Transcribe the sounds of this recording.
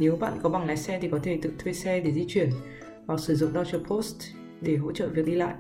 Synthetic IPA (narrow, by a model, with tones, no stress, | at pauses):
ne˨˦wɓa̰ː˧˨nkɔ˨˦ɓa˨˩ŋlaː˨˦jsɛ˧t̪i˨˩kɔ˨˦t̪ʰe˧˩t̪ɨ̰˧˨t̪ʰwe˧jsɛ˧ɗe˧˩zi˧t͡ɕwi˧˩ən | vaː˨˩wsɨ˧˩zʊ̰˧˨ŋ͡mɗɔ˧t͡ɕə˧˩pʰo˦˥st | ɗe˧˩ɦo̰˧˥t͡ɕə̰ː˧˨vi˨˩ək̚ɗi˧la̰ː˧˨jʔ